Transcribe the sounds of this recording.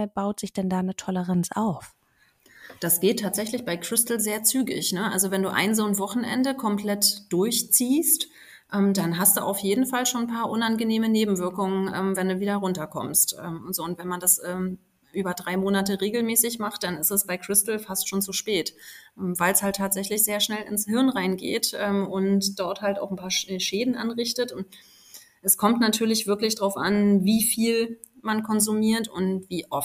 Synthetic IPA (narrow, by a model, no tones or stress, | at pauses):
b̥aʊtz̥ɪçd̥ɛndaːnətʰɔləʁant͡sʔa̰ʊf | d̥asɡ̥eːtʰːaːtz̥ɛçlɪçb̥aɪkʁ̥ɪstl̩zeːɐt͡syːɡɪ̰çnəʔa̰lzovɛnduːʔa̰ɪnzoːnvɔχn̩ʔɛ̰ndəkʰɔmpl̥ɛtd̥ʊɐçt͡siːst | ʔɛːmdanɦast̚d̥ṵːʔa̰ʊfjeːdn̩falʃoːn̩pʰaːɐʔʊnanɡəneːməneːbm̩vɪɐkʊŋənʔɛːmvɛnduːviːdɐʁʊntɐkʰɔ̰mstʔɛ̰ːmzoːʊntv̥ɛnmandasʔɛːm | ʔyːbɐdʁaɪmoːnatəʁeːɡl̩mɛːsɪçmaχt̚d̥anɪstɛsb̥aɪkʁ̥ɪstl̩fastʃoːnt͡suʃpɛːtʔɛːmvaɪlshaltʰːaːtz̥ɛçlɪçz̥eːɐʃnɛlɪ̰nshɪɐnʁaɪnɡḛːtʔɛːmʊntd̥ɔɐthalta̰ʊxn̩pʰaːɐʃʃeːdn̩ʔa̰nʁɪçtətʊnt | ʔɛskʰɔmtnatʰyːɐlɪçv̥ɪɐklɪçd̥ʁaʊfʔa̰nviːfiːl | mankʰɔnzumiːɐtʊ̰ntv̥iːʔɔf